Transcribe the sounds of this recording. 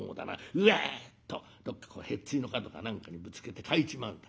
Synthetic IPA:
oːd̪a̰na̰ɯ̟et̪ːo | d̪̥o̞kːḁkoːhe̞t͡sːɨino̞kat̪o̞ka̰nãŋkaɲ̟ibɯ̟t͡sɨ̥ke̞t̪e̞kʰait͡ɕimãnd̪a

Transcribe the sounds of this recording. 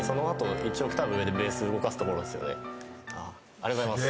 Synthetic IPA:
so̞no̞at̪o̞it͡ɕio̞kɯ̥t̪abɯɯed̪e̞be̞ːsɨɯɡo̞kasɨ̥t̪o̞ko̞ɾo̞d̪e̞sɨjo̞̰ne̞̰a | aɾeβaimass

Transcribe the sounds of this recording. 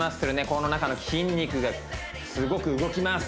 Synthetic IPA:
mast̪eɾoneko̞no̞nakano̞kʲʰĩɲʲːikɯ̟ɡa | sɨɡo̞kɯ̟ɯɡo̞kʲimas

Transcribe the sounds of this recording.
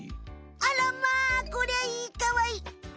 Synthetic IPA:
ʔalɐmːaːkʊɽajkɐwaj

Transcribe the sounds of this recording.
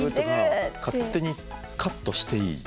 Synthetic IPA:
ɯt̪okaːe̞ɲ̟i | kʰat̪ːo̞ɕi̥t̪e̞ḭː

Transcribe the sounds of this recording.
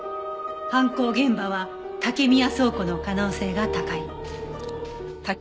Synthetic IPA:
hãŋko̞ːɡẽ̞mbaβ̞a | t̪ake̞mʲijaso̞ːko̞no̞kano̞ːse̞ːɡat̪akai | t̪a

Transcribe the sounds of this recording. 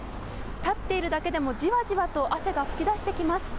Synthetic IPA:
t̪at̪ːe̞iɾɯ̟d̪ake̞d̪e̞mo̞d͡ʑiβaʑiβat̪o̞ʔase̞ɡaɸɯ̟̥kʲid̪aɕi̥t̪e̞kʲimasɨ̥

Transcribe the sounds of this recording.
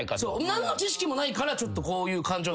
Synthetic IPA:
kasoːnãnːot͡ɕiɕi̥kʲimo̞naikaɾat͡ɕo̞t̪ːo̞ko̞ːjɯ̟ːkãɲ̟d͡ʑoː

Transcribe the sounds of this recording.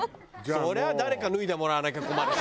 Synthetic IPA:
sɔɾɛad̪aɾekanuiðɛmɔɾaːnak̬ɛkuma

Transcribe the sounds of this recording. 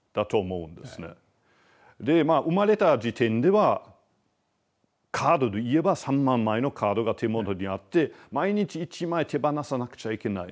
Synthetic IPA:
d̪̥at̪o̞ːmo̞ɯ̟̃nd̪e̞esɨne̞̰ | d̪e̞maʔɯ̟maɾe̞t̪ad͡ʑit̪ẽ̞nd̪e̞βa | kʰaːd̪o̞d̪eie̞basãmːãmːaeno̞kʰaːd̪o̞ɡat̪ʰe̞mo̞t̪o̞ɲ̟iat̪ːe̞maiɲ̟it͡ɕiːt͡ɕimaet̪ʰe̞banasanakɯ̟̥t͡ɕaike̞nai

